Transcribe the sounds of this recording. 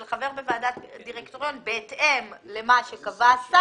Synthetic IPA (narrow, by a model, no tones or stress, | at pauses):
lχave̞ʁbevaːdatdiʁekt̪oʁjonbeːtʔemle̞maʃekavasa